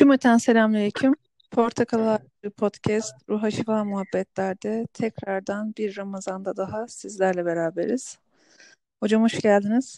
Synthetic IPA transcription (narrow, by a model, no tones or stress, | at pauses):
ʃumet̪ʰænse̞lʲamlʲeɾicʰim | pʰo̞ɾt̪ʰakʰalˠaaɾ | ɯːpʰot̪cʰɛst̪ɾuɦat͡ʃʰɯklˠanmuɦabːɛt̪lʲæɾd̪ɛt̪ʰɛcɾaɾd̪anbiɾːamazand̪ad̪aɦasizlʲæɾlʲɛbe̞ɾaːbe̞ɾiz̥ | ho̞d͡ʒamuʃɟælʲd̪iniz̥